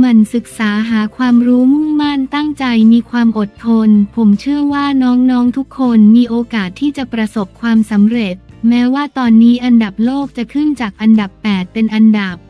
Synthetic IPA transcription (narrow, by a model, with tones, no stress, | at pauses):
ma˧nsɯ˨˩k̚saː˩˦ɦaː˩˦kʰwaː˧mɾuː˦˥mu˥˩mma˥˩nt̪a˥˩ŋt͡ɕa˧jmiː˧kʰwaː˧mʔo˨˩t̪ʰːo˧npʰo˩˦mt͡ɕʰɯ˥˩ɐwaː˥˩nɔː˦˥ŋnɔː˦˥ŋt̪ʰu˦˥kʰːo˧nmiː˧ʔoː˧kaː˨˩t̪ʰːiː˥˩t͡ɕa˨˩pɾa˧so˨˩p̚kʰwaː˧msa˩˦mɾe˨˩t̪̚mɛː˦˥waː˥˩t̪ɔː˧nːiː˦˥ʔa˧nda˨˩p̚loː˥˩k̚t͡ɕa˨˩kʰɯ˥˩nt͡ɕaː˨˩k̚ʔa˧nda˨˩pːɛː˨˩t̪̚pe˧nʔa˧nda˨˩pp